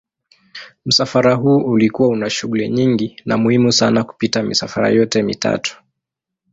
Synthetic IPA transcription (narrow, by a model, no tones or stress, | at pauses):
m̩safaɾaɦuːʔulikuwaunaʃuɠuliɲiŋɡina̰muhimusanaku̥pitamḭsafaɾa̰jɔtɛmḭta̰tu̥